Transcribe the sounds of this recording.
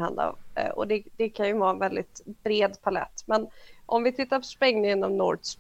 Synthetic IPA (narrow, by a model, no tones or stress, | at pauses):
ha̰nd̪a̰ʔɔ̰d̪ɛd̪̥ɛkʰanjɵvɑːɛnvɛld̪ɪt̪bɾeːd̪pʰalɛ̰t̪ːmɛnʔɔmvɪt̪ʰɪt̪ːaɾpʰɔ̥spɛŋnɪŋənɔmnɔʈs